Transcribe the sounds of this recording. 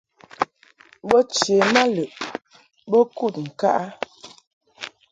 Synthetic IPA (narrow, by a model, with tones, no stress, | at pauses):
bɔ˦t͡ʃje˨ma˦lə˨ʔ | bə˦ku˦˨t̚ŋ̩˨ka̰˦ʔa˦